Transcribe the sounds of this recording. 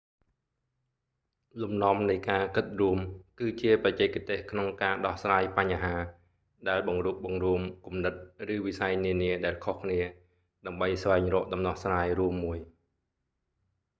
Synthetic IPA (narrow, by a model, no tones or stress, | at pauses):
lumnŏəmnɨjkaːkɨt̪̚ruəmkɨːt͡ɕiəprɑt͡ɕɛːkt̪eːhkʰnoŋkaːɗɑhsraːjpaɲːaɦaː | ɗaɛlɓɑŋruːp̚ɓɑŋruəmkumnɨt̪̚rɨːʋisajniəniəɗaɛlkʰohkʰniə | ɗaəmɓəjsʋaɛŋrɔːʔ̚ɗɑmnɑhsraːjruəmːuəj